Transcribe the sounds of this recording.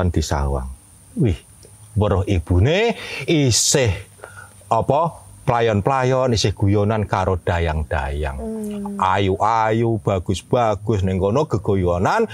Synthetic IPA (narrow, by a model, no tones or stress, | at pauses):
and̪̥i̤sa̰wa̰ŋ | wɪh | wəɾʊhib̥ṳneisɪh | ɔpɔplajɔnplajɔnisɪhɡ̥ṳjonankaɾod̪̥a̤jaŋd̪̥aja̰ŋajuʔajub̥a̤ɡ̥ʊ̤sb̥a̤ɡ̥ʊsnɪŋkonoɡ̥ə̤ɡ̥o̤jonan